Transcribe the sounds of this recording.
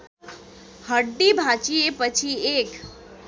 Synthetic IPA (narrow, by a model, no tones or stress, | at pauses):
həɖːibʱat͡ʃijepət͡ʃʰiek